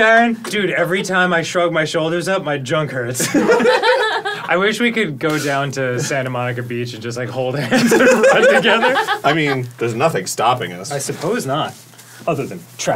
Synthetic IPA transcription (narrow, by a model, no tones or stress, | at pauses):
ɛɹɨ̃nd̥ʉɾɛvɹitʰãɪ̃maɪʃɹʌɡ̚maɪʃoʊlˠdə˞zʌp̚maɪd͡ʒʌ̃ŋkhɜ˞ts | ʔaɪwɪʃwikɨd̚ɡoʊdãʊ̃ntʰɨsæ̃nɨmɑnɨkɨbit͡ʃɨ̃n̩d͡ʒʌstlaɪkhoʊlˠdɨhæ̃nsə˞ɹʌ̃ntʰɨɡɛðə˞ʔaɪmĩnðə˞znʌθɪ̃ŋstɑpɪ̰̃ŋʌ̰saɪsɨpʰoʊznət̚ | ʌðə˞ðɨ̃ntʰɹ̥æ